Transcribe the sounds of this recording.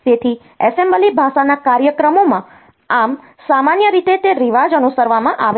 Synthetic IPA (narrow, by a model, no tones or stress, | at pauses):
t̪et̪ʰi | ɛsembəlibʱaʃanakaɾjəkɾəmomã | am | samanjəɾit̪et̪eɾiʋad͡ʒənusəɾʋamãʔaʋe